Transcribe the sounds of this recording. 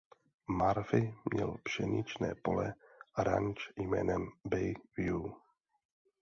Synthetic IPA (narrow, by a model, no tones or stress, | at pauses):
maɾfɪmɲɛlbʃɛɲɪt͡ʃnɛːpolɛɾaɲt͡ʃjmɛːnɛmbɛjvju